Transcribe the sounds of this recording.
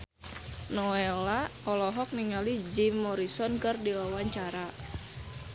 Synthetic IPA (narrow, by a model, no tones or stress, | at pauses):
nɔɛlaɔlɔɦɔk̚niŋalid͡ʒimːɔɾisɔnkɨrdiwawaɲt͡ʃaɾa